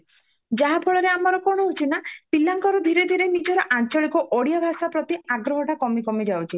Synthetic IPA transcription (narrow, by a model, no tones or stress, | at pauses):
d͡ʒaɦapʰɔɭɔɾeamɔɾɔkɔɽ̃ɔɦut͡ʃʰinapilːaŋkɔɾɔd̪ʱiɾed̪ʱiɾenid͡ʒɔɾɔʔant͡ʃɔɭikɔʔoɽijabʱasapɾɔt̪iaɡɾɔɦɔʈʰakɔmikɔmid͡ʒawt͡ʃʰi